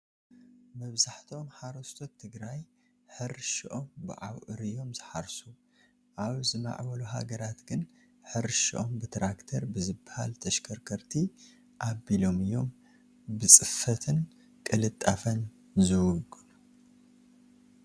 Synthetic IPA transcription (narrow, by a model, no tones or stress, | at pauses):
mɐβzaħt̪ʰo̞mħaɾost̪ʰot̪ʰːɨɡɾaj | ħɨɾʃiʔo̞mbɨʕa̰wʔɨɾijo̞mzɨħaɾsu | ʔaβzɨma̰ʕβɐluɦa̰ɡɐɾat̪ɡɨn | ħɨɾʃiʔombɨt̪ʰɾakt̪ʰɐɾbɨzɨbːaha̰lt̪ʰɐʃkʰɐɾkʰɐɾt̪ʰi | ʔabilo̞mɨjo̞m | bɨt͡sʼɨfɐt̪ʰɨn | kʼɨlɨt̪ʼːafɐn | zɨwʊɡɨ